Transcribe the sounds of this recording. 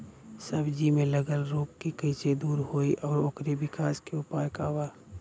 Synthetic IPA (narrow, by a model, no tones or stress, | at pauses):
səbd͡ʒimẽləɡəlɾoːp̚kikət͡ʃed̪uːɾɦoːiʔɔːɾoːkɾebɪkaːskeʊpaːjkaʋaː